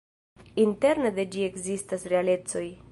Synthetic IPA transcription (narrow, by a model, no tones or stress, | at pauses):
inte̞ɾned̪e̞d͡ʒie̞kzistasɾe̞ale̞t͡so̞j